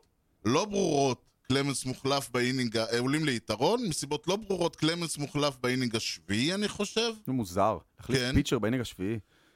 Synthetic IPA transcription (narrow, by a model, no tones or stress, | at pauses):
lo̞bʁuʁo̞t | klemensmuχlafbeiniŋɡaʔeulimleitaʁo̞nmesibo̞t̪lobʁuʁo̞tklemensmuχlafbeiniŋɡaʃviianiχo̞ʃe̞vmuzaʁaχlikenpit͡ʃeʁbeinĩɡaʃvii